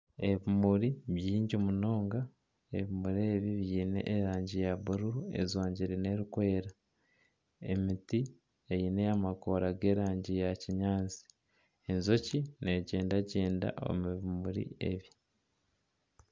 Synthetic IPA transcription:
e̞βimuɾiβjiːɲɟomuno̞ːŋɡa | eβimuɾeβiβjiːne̞̰ʔːɾaːɲɟijaβuɾuɾuḛzwaːɲɟiɾe̞ne̞ɾikwe̞ːɾa | e̞miti | ejine̞amako̞ɾaɡe̞ːɾaːɲɟijaciɲaːnzi̥ | enzo̞cine̞ɟe̞ːndaɟeːnda̰ʔo̰miβimuɾḭe̞̰βi

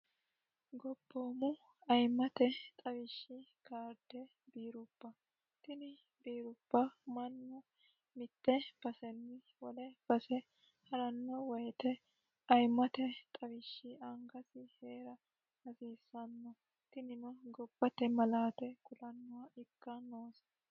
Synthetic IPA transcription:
ɡɔb̥ːoːmʊ | ɐjmːɐt̪ɛt̪ʼɐwɪʃːɪkaːɾd̪ɛ | biːɾʊbːɐ | t̪ɪnɪ | biːɾʊbːɐmɐnːɔ | mɪt̪ːɛb̥ɐsɛnːɪ | wɔlɛb̥ɐsɛ | hɐɾɐnːɔwɔjt̪ɛ | ɐjmɐt̪ɛt̪ʼɐwɪʃːɪʔɐŋɡɐsɪheːɾɐ | hɐsiːsːɐnːɔ | t̪ɪnɪnɔɡɔbːɐt̪ɛmɐlaːt̪ɛkʊlɐnːʊwaʔɪkːɐnoːsɐ̥

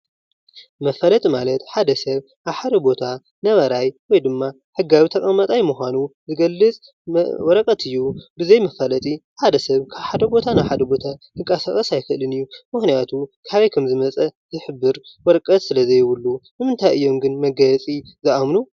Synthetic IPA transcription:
mɐfɐlɐt̪ʼimalɐt̪ħad̪ɐsɐβ | ʔaβħad̪ɐbo̞t̪ʰa | nɐβɐɾajwɔjd̪ɨmːa | ħɨɡaβit̪ʰɐkʼɐmːɐt̪ʼajmuxʷanuzɨɡɐlːɨt͡sʼ | wɔɾɐkʼɐt̪ʰɨjːubɨzɐjmɐfɐlɐt̪ʼiħad̪ɐsɐβkʰaβħad̪ɐbo̞t̪ʰanawħad̪ɐbo̞t̪ʰa | ɨŋkʼɐsakʼɐsajxɨʔlɨnɨjːumɨxnijat̪ʰukʰaβɐjkʰɐmzɨmɐt͡sʼɐzɨħɨbːɨɾwɔɾkʼɐt̪sɨlɐzɐjwʊlːunɨmɨnt̪ʰajʔɨjːo̞mɡɨnmɐɡɐt͡sʼizɨʔamnu

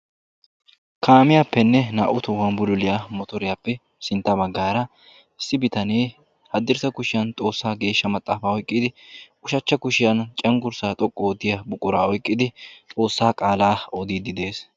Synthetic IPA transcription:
kʰaːmɪjapːɛnːɛna̰ːʔʊt̪ʊwɐnbʊlʊlɪjamɔt̪ɔɾɪjapːɛ | sɪnt̪ːɐbɐɡːaːɾɐ | ɪsːɪbɪt̪ɐneː | hɐd̪ːɪɾsɐkʊʃɪjɐnt̪ʼo̞ːsːaːɡe̞ːʃːɐmɐt̪ʼːaːfaːɔjkʼːɪd̪ɪ | ʊʃɐt͡ʃːɐkʊʃɪjɐnt͡ʃʼɐŋɡʊɾsaːt̪ʼɔkʼːoːt̪ːɪjɐbʊkʼːʊɾaːɔjkʼːɪd̪ɪt̪ʼo̞ːsːaːkʼaːlaːɔd̪iːd̪ɪd̪e̞ːs

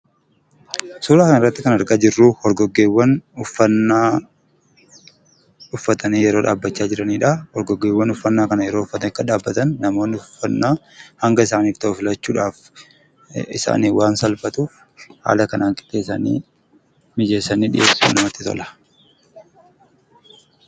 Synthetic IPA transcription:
suːɾaːkɐnɪrːɐt̪ːɪkɐnɐɾɡaːd͡ʒɪrːuːhɔɾɡɔɡːe̞ːwːɐnʊfːɐnːaː | ʊfːɐt̪ɐniːjɛɾoːᶑaːbːɐt͡ʃːaːd͡ʒɪɾɐniːᶑɐhɔɾɡɔɡːe̞ːwːɐnʊfːɐnːaːkɐnɐjɛɾoːʊfːɐt̪ɐnɪkːɐᶑaːbːɐt̪ɐnːɐmo̞ːnɪʊfːɐnːaː | hɐŋɡɐɪs̬aːniːft̪ɐʊfɪlɐt͡ʃːuːᶑaːf | ɪsa̰ːniːwaːnsɐlfɐt̪ʊ | ha̰ːlɐkɐnaːŋkʼɪ̥t̪ːeːsa̰nḭː | mɪd͡ʒe̞ːsːɐniːᶑɪ̰ʔeːsṵnɐmɐt̪ːɪt̪ɔ̰lɐ̥

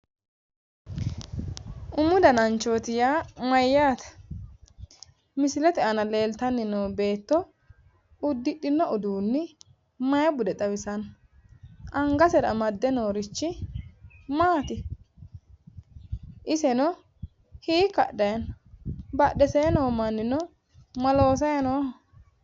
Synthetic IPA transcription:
ʔʊmːʊd̪ɐnɐnt͡ʃo̞ːt̪ɪjaːmɐjːaːt̪ɐ̥ | mɪsɪlɛt̪ɛʔɐnɐle̞ːlt̪ɐnːɪnoːbe̞ːt̪ːɔ | ʊd̪ːɪᶑːɪnːɔʔʊd̪uːnːɪ | mɐjɐbʊd̪ɛt̪ʼɐβɪsɐn | ʔɐŋɡɐsɛɾɐ̰mɐd̪ːɛnoːɾɪt͡ʃːɪ | maːt̪ɪ | ʔɪsɛnɔ | hiːkːɐ̰ɗɐjɐn | bɐɗɛseːnoːmɐnːɪnɔ | mɐlo̞ːsɐjɐnoː

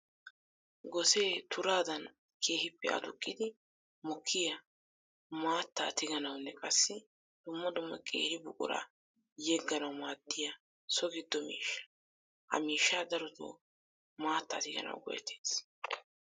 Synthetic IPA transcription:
ɡɔse̞ːt̪ʊɾaːd̪ɐn | kʰe̞ːhɪpːɛʔɐ̰t̪ʊkʼːɪd̪ɪ | mɔkʰːɪjɐ | maːt̪ːa̰ːt̪ɪɡɐnɐwnːɛkʼɐsːɪ | d̪̥ʊmːɐd̪ʊmːɐ̰kʼe̞̰ːhɪbʊkʼʊ̰ɾa̰ː | jɛɡːɐnɐwmaːd̪ːɪja | sɔɡɪd̪ːɔmḭːʃːɐ̥ | hɐ̰miːʃːaːd̪ɐɾɔt̪o̰ː | maːt̪ːa̰ːt̪ɪɡɐ̰nɐ̰wɡɔ̰jɛ̰t̪ʰeːs

